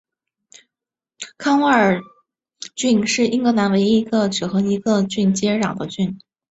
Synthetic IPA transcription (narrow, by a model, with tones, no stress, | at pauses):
kʰɑ˥ŋə˞˨˩ | t͡ɕy˥˧nʂɻ̩˥˩i˥ŋɡɤ˥na˧˥nwe˧˥ɪi˧˥ɡə˧ʈ͡ʂɻ̩˨˩xɤ˧˥i˧˥ɡə˧t͡ɕy˥˩nt͡ɕjɛ˥ɻɑ˨˩ŋd̪ə˦t͡ɕy˥˩n